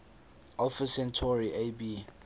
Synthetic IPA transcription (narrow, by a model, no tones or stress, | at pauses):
ʔalfəsɛ̃ntʰɔɹiʔebiː